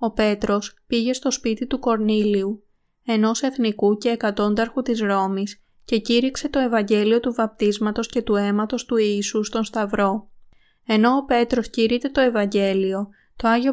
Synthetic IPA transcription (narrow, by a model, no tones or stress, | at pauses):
o̞pe̞t̪ɾo̞spiʝe̞st̪o̞spit̪it̪uko̞ɾniliu | e̞no̞se̞θnikuce̞ːkɐt̪o̞nd̪ɐɾxut̪izɾo̞mis | ce̞ciɾikse̞t̪o̞e̞vɐɲɟe̞lio̞t̪uvɐp̚t̪izmɐt̪o̞sce̞t̪ue̞mɐt̪o̞st̪uiːsust̪o̞nst̪ɐvɾo̞ | e̞no̞ːpe̞t̪ɾo̞sciɾit̪e̞t̪o̞e̞vɐɲɟe̞lio̞ | t̪o̞ɐʝio